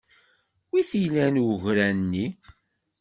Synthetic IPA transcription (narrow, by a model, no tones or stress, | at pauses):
wiθijlænwəʝɾænnːi